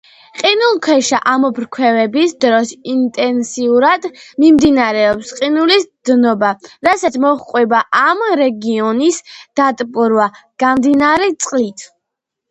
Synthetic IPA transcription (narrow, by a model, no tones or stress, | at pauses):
qʼinulˠkʰwɛʃaʔamɔbɾkʰwɛvɛbisd̪ɾɔsint̪ʼɛnsiuɾad̪mimd̪inaɾɛɔpsqʼinulisd̪̥nɔbaɾasat̪sʰmɔχqʼwɛbaʔamɾɛɡiɔnisd̪̥at̪ʼpʼuɾwaɡ̥amd̪inaɾɛt̪sʼqʼlit̪ʰ